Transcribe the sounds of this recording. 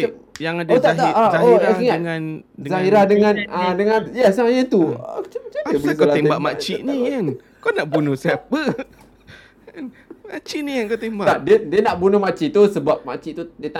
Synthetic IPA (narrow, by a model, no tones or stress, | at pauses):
jaŋadaot̪at̪aʔaoakiŋanzaɦiɾadəŋãnadəŋãnjasajət̪uat͡ʃamət͡ʃad͡ʒəbislaembaʔmat͡ʃiʔnian | kɔnaʔbunuhsap̚ə | an | mat͡ʃinikankot̪embat̪adədiənaʔbunʊhmat͡ʃiʔt̪usəbap̚mat͡ʃiʔt̪udiət̪a